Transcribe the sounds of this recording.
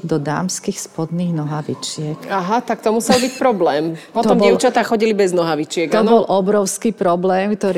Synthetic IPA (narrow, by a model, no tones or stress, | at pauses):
d̪ɔd̪aːmskiːxspɔd̪niːɣnɔɦaʋit͡ʃɪɛkaɦat̪ak̚t̪ɔmusɛlbicpɾɔblɛːmpɔt̪ɔmbɛʊt͡ʃat̪aːxɔɟilibɛznɔɦaʋit͡ʃɪɛɡ̪aɔnbɔlʔɔbɾɔʊskiːpɾɔblɛːmkt̪ɔɾ